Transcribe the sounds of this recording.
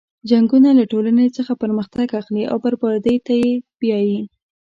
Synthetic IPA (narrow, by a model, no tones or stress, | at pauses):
d͡ʒaŋɡunalaʈolanet͡səxapəɾməxt̪aɡaxliʔa̰wbəɾbɑɾd̪əjt̪ajebjɑji